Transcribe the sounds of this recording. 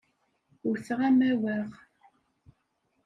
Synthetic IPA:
ʊɾθəʁæmæwæʁ

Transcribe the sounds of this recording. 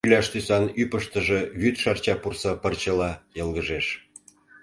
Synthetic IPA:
ylʲɑʃt̪ysɑnypəʃt̪ə̆ʒeβyt̪ʃɑrt͡ɕɑpursɑpə̆rt͡ɕə̆lɑjɤ̆lɣəʒeʃ

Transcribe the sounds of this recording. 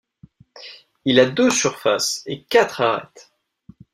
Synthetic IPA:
ilad̪uzsyʁfa̰sekat̪χaʁɛ̰t̪

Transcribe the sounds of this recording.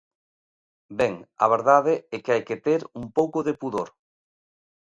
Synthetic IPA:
bɛŋɐ̰β̞eɾðaðɪɛkeajket̪eɾumpowkoðepuðoɾ

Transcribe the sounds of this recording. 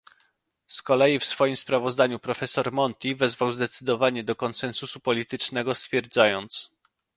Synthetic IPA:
skɔlɛjifsfɔjimspɾavɔzd̪aɲupɾɔfɛsɔɾmɔnt̪ʲivɛzvawzd̪ɛt̪sɘd̪ɔvaɲɛd̪ɔkɔnsɛnsusupɔlʲit̪ɘt͡ʂnɛɡɔst̪fʲjɛɾd̪zajɔnt̪s

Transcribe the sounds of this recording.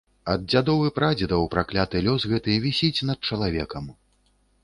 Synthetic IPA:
ɐd̪̚d͡zʲad̪ɔvɨpɾad͡zʲid̪ɐwpɾaklʲat̪ɨlʲɔsɣɛt̪ɨvʲisʲit͡sʲnɐt̪̚t͡ʂɐlˠavʲɛkɐm

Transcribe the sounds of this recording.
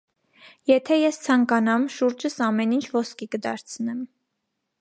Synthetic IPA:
jɛt̪ʰɛjɛst͡sʰɑŋkɑnɑmʃuɾd͡ʒəsɑmɛnint͡ʃʰvɔskikəd̪ɑɾt͡sʰnɛm

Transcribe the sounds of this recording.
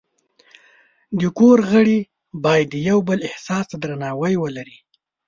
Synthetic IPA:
d̪əkoɾɣəɽi | bɑjad̪ːəjawbəlɪhsɑst̪ad̪ɾanɑwəjwəlaɾi

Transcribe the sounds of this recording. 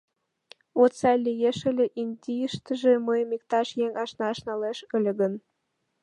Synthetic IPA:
ot̪sɑlʲːijeʃə̆lʲĕʔinʲd̪ʲijəʃt̪ə̆ʒĕmɤjmikt̪ɑʃjeŋɑʃnɑʃnɑleʃə̆lʲĕɡə̆n

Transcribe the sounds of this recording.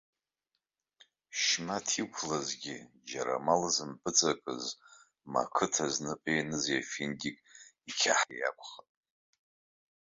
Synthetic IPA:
ʃmatʰikʷʰlazɡʲi | d͡ʒaɾa̰malzɨmpʰɨt͡sʼakʼɨ̰z | ma̰kʰɨtʰaznɨpʼejnɨzafindʲikʼikʲʰaħija̰kʷʰʼχatʼ

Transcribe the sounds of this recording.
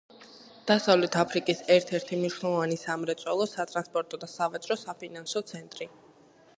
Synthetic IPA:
d̪̥asavlɛt̪ʰapʰɾikʼisɛɾt̪ʰɛɾt̪ʰimniʃnɛlˠɔvanisamɾɛt̪sʼwɛlˠɔsat̪ʼɾanspʼɔɾt̪ʼɔd̪asavat͡ʃʼɾɔsapʰinansɔt̪sʰɛnt̪ʼɾi

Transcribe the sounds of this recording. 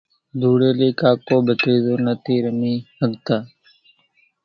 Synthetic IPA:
d̪ʱuːɽeːliːkaːkoːbət̪ɾiːzoːnət̪iːɾəmiːhəɡt̪aː

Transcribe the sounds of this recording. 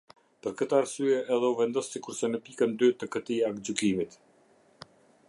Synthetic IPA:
pəɾkət̪aːɾsyɛʔɛðɛuvɛnd̪ɔsːikuɾsɛnəpikənd̪yt̪əkət̪iakd͡ʑykimit̪

